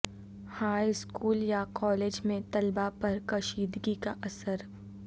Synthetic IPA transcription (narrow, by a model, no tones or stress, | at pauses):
haːjskuːljakɔːleːd͡ʒmẽt̪ɐlbapɐɾkɐʃiːd̪ɡikaʔɐsəɾ